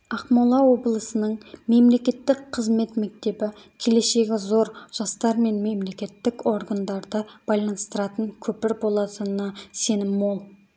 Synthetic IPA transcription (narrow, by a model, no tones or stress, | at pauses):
ɑqmɑlˠɑwo̞blˠəsənəɴme̞mle̞kʲe̞t̪ːɪkqʰəzme̞t̪mek̚t̪e̞bɪkʲʰe̞le̞ʃe̞ɡʲɪzo̞ɾʒ̥ɑst̪ɑɾme̞nme̞mle̞kʲe̞t̪ːɪko̞ɾɡand̪ɑɾd̪əb̥ɑjlˠɑnəst̪əɾɑt̪əŋkʲʰɵpɪɾbo̞lˠɑt̪ənɑse̞nɪmwolˠ